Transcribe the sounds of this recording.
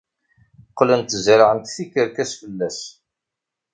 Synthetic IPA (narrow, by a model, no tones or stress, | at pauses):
qːlənt̪zɾʕənt̪θikːəɾkæsfəlːæs